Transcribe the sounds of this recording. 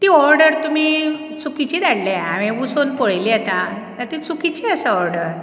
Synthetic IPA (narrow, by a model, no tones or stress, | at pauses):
t̪iːɔɾɖəɾt̪um̤i | t͡sukit͡ɕiːd̪aɽleaʋĩʋusonpoɭjliːat̪ãt̪əɾt̪it͡sukit͡ɕiəsəɔɾɖəɾ